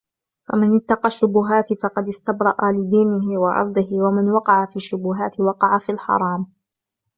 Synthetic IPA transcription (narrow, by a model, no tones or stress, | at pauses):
famanɪt̪ːɑqɑʃːʊbʊɦaːt̪fɑqɑd̪ɪst̪abɾˤɑʔalɪd̪iːnɪɦɪwɑʔɑ̰ɾˤd̪ˤɨhɪwamanwɑqɑʕafiːʃːʊbʊɦaːt̪ɪwɑqɑʕafilħɑ̰ɾˤɑːm